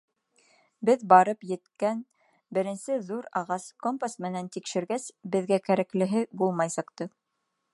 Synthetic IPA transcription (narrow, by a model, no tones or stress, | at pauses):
bɘðbɑɾɤpjɘ̆t̪kæn | bɘ̆ɾɘ̆nsɘðuɾɑʁɑskompasmɘ̆nænt̪ikʃɘ̆ɾɡæsbɘ̆ðɡækæɾæklɘ̆ɦɘbulˠmɑjsɑ̆qt̪ɤ